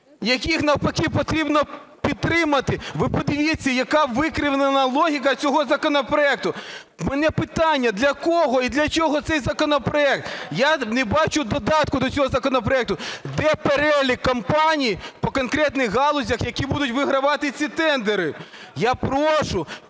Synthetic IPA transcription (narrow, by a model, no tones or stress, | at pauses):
jɐkʲixnɐwpɐkʲiwpɔt̪ɾʲibnɔpʲid̪̚t̪ːɾɪmɐt̪ɪʋɪpɔd̪ɪʋʲit͡sʲːɐjɐkɑʋɪkɾʲɪʋnenɐlˠɔɦʲik̬ɐt͡sʲɔɦɔzɐkɔnɔpɾɔɛk̚t̪ʊ | mɛnɛpɪt̪ɑnʲːɐd̪lʲɐkɔɦɔid̪lʲɐt͡ʃʲɔɦɔt̪sɛjzɐkɔnɔpɾɔɛk̚t̪janebɑt͡ʃʊd̪ɔd̪ɑt̪kʊd̪ɔt͡sʲɔɦɔzɐkɔnɔpɾɔɛk̚t̪ʊd̪ɛpeɾɛlʲikːɐmpɑnʲijipɔkɔnkɾɛt̪nɪxɦɑlˠɔzʲɐxjɐkʲibud̪ʊtʲʋɪɦɾɐʋɑt̪ɪt͡sʲit̪ɛnd̪eɾɪ | japɾɔʃʊ